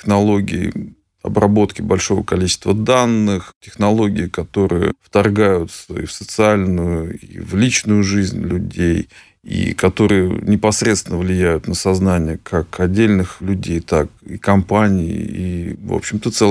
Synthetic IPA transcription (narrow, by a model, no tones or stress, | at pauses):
tʲɪxnɐlˠo̞ɡʲɪ̰ː | ɐ̰brɐbo̞t̪kʲɪbɐlʲʂo̞və̰kɐlʲit͡ɕɪ̥st̪vəd̪anːɨxtʲɪxnɐlˠo̞ɡʲɪɪkɐt̪o̞ɾɨjə̰ft̪ɐrɡajʊt̪səifsət̪sɨalʲnʊjʊḭvlʲit͡ɕnʊjʊʐɨzʲnʲlʲʉdʲej | ḭkɐt̪o̞ɾɨjə̰nʲɪpɐsɾʲet̪st̪vʲɪnəvlʲɪjæjʊt̪nəsɐznanʲɪjəkʰakɐdʲːelʲnɨxlʲʉdʲejt̪akikɐmpanʲɪɪivo̰pɕɪmt̪ət̪sɛ